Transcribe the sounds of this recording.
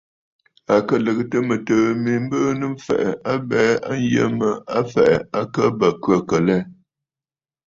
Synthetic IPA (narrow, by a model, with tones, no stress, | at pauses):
a˨kə˦lə˨ɣə˦tə˦mə˨təː˨mi˨m̩˦bəː˦nɨ˦m̩˦fɛ̰˨ʔɛ˨a˦bɛː˦a˦n̩˦jə̰˦mə˦a˦fɛ˨ʔɛ˨a˦kə˦bə˨kɥə˦˨kə˨lɛ˦